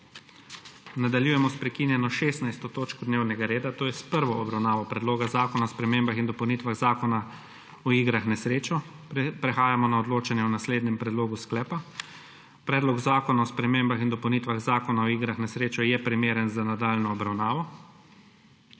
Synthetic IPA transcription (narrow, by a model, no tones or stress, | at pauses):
nad̪aljuːjɛmɔspɾɛkinjɛnɔʃeːst̪najst̪ɔt̪oːt͡ʃkɔd̪neːwnɛɡaɾeːd̪at̪oːjɛspəɾʋɔːbɾawnaːʋɔpɾɛd̪loːɡazaːkɔnaɔspɾɛmeːmbaxind̪ɔpɐwnit̪ʋaɣzaːkɔna | ɔiːɡɾaxnɛsɾeːt͡ʃɔ | pɾɛxaːjamɔnaɔd̪loːt͡ʃanjɛɔnasleːd̪nɛmpɾɛd̪loːɡusklɛːpa | pɾɛːd̪lɔɡzaːkɔnaɔspɾɛmeːmbaxind̪ɔpəwnit̪ʋaɣzaːkɔnaɔiːɡɾaxnɛsɾeːt͡ʃɔjɛpɾimeːɾənzanad̪aːlnɔːbɾawnaːʋɔ